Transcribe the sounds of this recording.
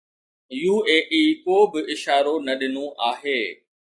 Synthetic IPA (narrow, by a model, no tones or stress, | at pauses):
juːeːʔiːkoːbɪɪʃaːɾonɐɗɪnõʔaːɦeː